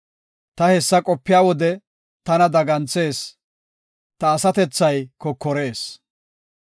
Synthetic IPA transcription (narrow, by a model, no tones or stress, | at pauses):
t̪ɐhɛsːɐkʼɔpːɪjaːwɔd̪ɛ | t̪ɐnɐd̪ɐɡɐnt͡sːe̞ːs | t̪ɐːsɐt̪ɛt͡sːɐjkɔkːɔɾe̞ːs